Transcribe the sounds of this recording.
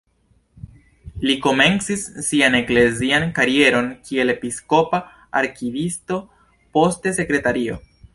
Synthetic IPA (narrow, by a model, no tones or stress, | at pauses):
liko̞me̞nt͡sisːiane̞kle̞ziankaɾie̞ɾo̞nkʰie̞le̞pisko̞pa | aɾkivisto̞ | po̞stese̞kɾe̞taɾio̞̰